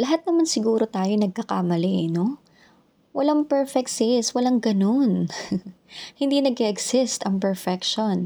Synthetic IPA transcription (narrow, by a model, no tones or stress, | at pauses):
lɐɦat̪̚nɐmansɪɡuːɾo̞t̪aːjonɐɡ̚kɐkaːmɐlɛʔno̞ | wɐlaŋpɛɹfɛk̚t̪sɛswɐlaŋɡɐno̞n | hɪnd̪inɐɡ̚kɛʔɛɡsɪst̪ɐŋpɛɹfɛkʃon